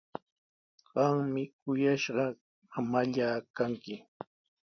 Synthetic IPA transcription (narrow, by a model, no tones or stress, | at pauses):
ɢɑŋmɪkʊjaʃɢɑ | mamaʎaːkaŋkɪ